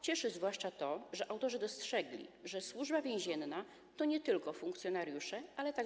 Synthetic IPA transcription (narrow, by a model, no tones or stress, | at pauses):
t͡ɕɛʂɘzvwaʂt͡ʂat̪ɔʐɛʔawt̪ɔʐɛd̪ɔstʂɛɡlʲḭʐɛswuʐbavʲjẽw̃ʑɛnːa | t̪ɔɲɛt̪ɘlkɔfuŋkt̪sʲjɔnaɾjuʂɛʔalɛt̪aɡ